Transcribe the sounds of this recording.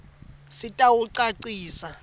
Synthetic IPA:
sitʼawuǀaǀiːsa

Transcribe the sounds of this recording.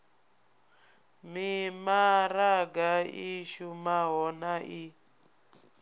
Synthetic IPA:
mimaɾaɡaiʃumaɦɔnaʔi

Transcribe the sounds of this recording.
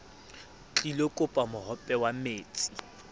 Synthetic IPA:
t͡ɬʼilokʼʊpʼamʊhɔpʼɛwameːt͡sʼi

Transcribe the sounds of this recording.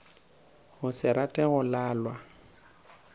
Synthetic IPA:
hʊsɪɾatʼɛɣʊlaːlwa

